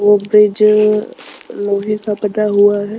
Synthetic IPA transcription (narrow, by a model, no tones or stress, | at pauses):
ʋobɾɪd͡ʒ | loːɦekapəd̪aɦuaɦɛː